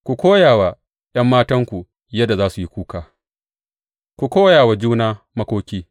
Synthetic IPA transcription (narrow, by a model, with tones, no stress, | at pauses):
kʷu˨kʷoː˦jaː˨wa˨ | j̰ɐ˦mːaː˦tɐ˦ŋkʷu˨ | jɐ˦dːa˨zaː˦su˨ji˦kʷuː˦kaː˨ | kʷu˨kʷoː˦jaː˨wa˨d͡ʒuː˦naː˦ | mɐ˦kʷoː˦kʲiː˦